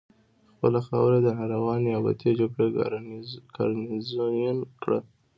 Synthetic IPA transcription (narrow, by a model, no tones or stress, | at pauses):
xpəlaxɑ̰wɾed̪ənɑɾawɑneaba̰t̪ʰed͡ʒaɡɽe | kʰɑ̰ɾnizojunkɽə̰